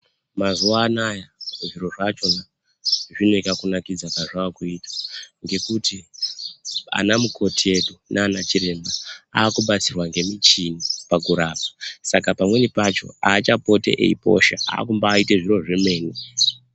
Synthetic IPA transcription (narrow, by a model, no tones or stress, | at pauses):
mazuaːnajauʐiɾo̞ʐat͡ʃo̞na | ʐino̞ikakunakid͡zakaʐaakuitḁŋɡe̞kuti | a̰namukʰo̞tie̞ɗunʔaːnat͡ʃiɾe̞mbaaːkuɓat͡sirwaŋɡe̞mit͡ʃinipakuɾaːp̚ḁsakapamwe̞nipat͡ʃo̞̰aːt͡ʃapo̞tḛʔḛipo̞̰ʃaa̰ːkumbaːiteʐiro̞ʐeme̞ːni